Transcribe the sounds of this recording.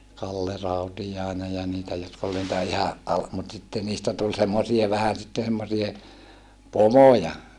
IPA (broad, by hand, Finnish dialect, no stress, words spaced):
kɑlːe rɑutijɑˑenej jɑ niːtæ jotk ol niːtæ ihɑ ʔɑl mut sitːen niːstæ tul semːosie ʋæhæn sitːen semːosie pomojɑ